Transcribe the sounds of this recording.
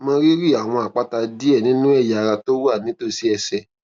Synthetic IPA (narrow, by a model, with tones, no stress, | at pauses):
mɔ̃˧ɾi˦ɾi˦˨a˨w̃ɔ̃˧a˨k͡pa˦ta˧di˦ɛ˦˨nĩ˦nũ˦ɛ˦˨ja˨˧ɾa˧to˦wu˦a˦˨nĩ˦to˦˨si˦ɛ˧sɛ˨